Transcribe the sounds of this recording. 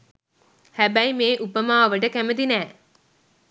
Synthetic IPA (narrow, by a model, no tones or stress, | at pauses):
hæbæjmeːʔupəmaːʋəʈəkæməd̪inæː